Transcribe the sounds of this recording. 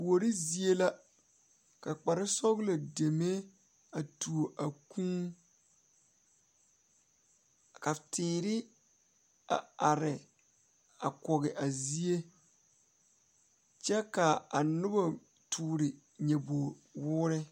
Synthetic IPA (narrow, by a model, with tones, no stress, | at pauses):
o˨ɾɪ˦zi˦e˦la˦ | ka˨k͡pa˨ɾɪ˦sɔ˦ɣla˨de˨me˦ | a˨tu˨o˨ʔa˨kũ˦ | ka˨tɪː˨ɾɪ˦ | a̰˨a˨ɾɪ˨ | a˨kɔ˨ɣɪ˨ʔa˨zi˦e˦ | t͡ʃɛ˦ka˨a˨nʊ˦ba˨ | tʰuː˨ɾɪ˨ | ɲɛ˨bo˨wʊː˦ɾɪ˦